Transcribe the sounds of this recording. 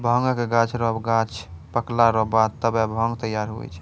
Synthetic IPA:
bʱəŋɡkeɡãt͡ʃʰɾɔbɡat͡ʃʰpəklaɾɔbad̪̚t̪əbɛbʱəŋɡt̪əjaɾɦo̰j̰t͡ʃʰɛ̥

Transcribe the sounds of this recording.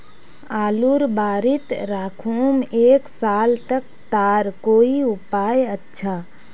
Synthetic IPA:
aːluɾbaːɾit̪ɾakʰumeːksaːlt̪ək̚ | t̪aɾkoːiupajətːʃʰa

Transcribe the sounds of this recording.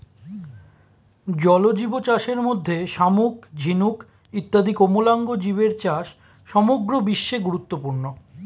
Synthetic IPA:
d͡ʑɔlod͡ʑibot͡ɕaʃeɾmod̪ʱːeʃamukd͡ʑʱinuk | it̪ːad̪ʱikomolaŋɡod͡ʑiβeɾt͡ɕaʃ | ʃɔmoɡɾobiʃːeɡuɾut̪ːopuɾno

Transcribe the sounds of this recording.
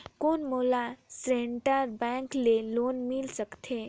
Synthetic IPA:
konmolasɾeɳʈəɾbɛ̃ŋklelonmilsəkt̪ʰe

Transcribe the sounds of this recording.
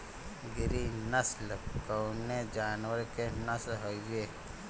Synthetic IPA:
ɡɪɾinəsləkəwned͡ʒaːnwəɾkenəsɦoieː

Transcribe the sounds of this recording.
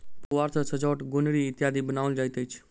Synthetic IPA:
pʊʋaːɾt̪ʰəsəd͡ʒoːʈɡonɽiɪt̪jaːd̪ibənaːʋəld͡ʒajt̪ət͡ʃʰ

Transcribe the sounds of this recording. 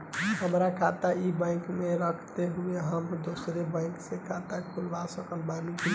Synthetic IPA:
ɦəmɾakʰat̪aibə̃ɪ̃kmeɾəkʰt̪eɦueɦəmd̪osɾebə̃ɪksekʰat̪akʰulʋasəkəlbanũt͡ʃʰi

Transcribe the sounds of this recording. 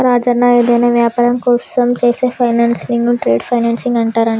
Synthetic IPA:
ɾaːd͡ʒɐɾnaed̪eːnɐʋjaːpaːɾɐŋkousɐmt͡ʃɐjsepʰɐjnaːnsniŋɡuʈɾeːɖpʰɐjnaːnsiŋɡɐɳʈaːɾɐɳ

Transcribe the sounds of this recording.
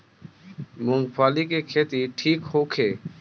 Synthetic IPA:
mũːŋɡpʰaːliːkeːkʰeːt̪iːʈʰiːkhoːkʰeː

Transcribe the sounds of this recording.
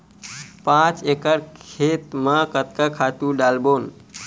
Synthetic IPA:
pãt͡ʃekəɽkʰet̪mãkət̪̚kakʰat̪uɖalbon

